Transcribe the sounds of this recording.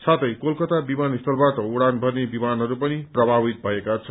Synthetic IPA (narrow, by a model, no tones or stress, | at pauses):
sʰat̪ʌjkolkʌt̪abimanist̪ʌlbaʈʌuɽanbʱʌrnebimanɦʌɾupʌniprʌbʱabit̪̚bʱʌekat͡sʰʌn